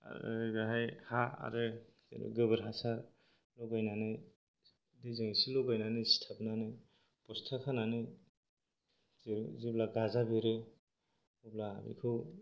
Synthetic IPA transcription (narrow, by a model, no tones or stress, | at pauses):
a̰ɾɯ̰ɡaɦajhaa̰ɾɯ | ḭɡɯbɯɾɦasaɾ | lɔɡajnanɯj | dejzɯŋisilɔɡajnanɯstʰapnanɯj | pɔstʰakʰananɯ | ziblaɡazabiɾɯ | ubla̰bḭkʰɯw